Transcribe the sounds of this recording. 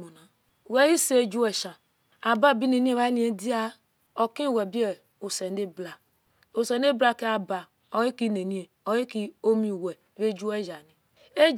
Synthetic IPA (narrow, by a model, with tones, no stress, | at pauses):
mo˨na˨ | we˦i˦se˦e˦d͡ʒu˦we˨ʃa˨ | a˨ba˦˨bi˦ne˨ni˦e˦˨βa˦ni˨˦e˦di˦a˦ | o˨kĩ˦˨we˨bi˦e˨ | o˨se˨nde˦bla˨ | o˨se˨n˦e˦bla˦ke˦a˨ba˨ | o˨i˦ki˦ne˨ni˦e˨o˨ji˦ki˦o˦mi˨we˨βe˦d͡ʒu˦e˦d͡ʒa˨ni˨ | e˦